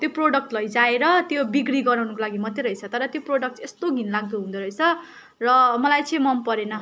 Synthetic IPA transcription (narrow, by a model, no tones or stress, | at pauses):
t̪joproɖʌk̚ʈlʌjd͡zaeɾʌt̪jobiɡɽiɡʌɾawnʌkolaɡimʌt̪ːeɾʌjt͡sʰʌt̪ʌɾʌt̪joproɖʌk̚ʈest̪oɡʱinlaɡ̚d̪uɦũnd̪oɾʌjt͡sʰʌ | rʌmʌlajt͡sʌ̃mʌmpʌɾenʌ